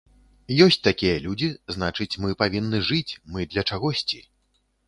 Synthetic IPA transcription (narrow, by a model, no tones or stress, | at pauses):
jɔsʲt͡sʲt̪akʲijɐlʲud͡zʲiznat͡ʂɨt͡sʲmɨpavʲinːɨʐɨt͡sʲmɨd̪lʲɐt͡ʂaɣɔsʲt͡sʲi